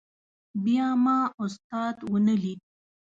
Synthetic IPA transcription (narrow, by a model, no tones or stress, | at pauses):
bjɑmɑʊst̪ɑd̪wənəli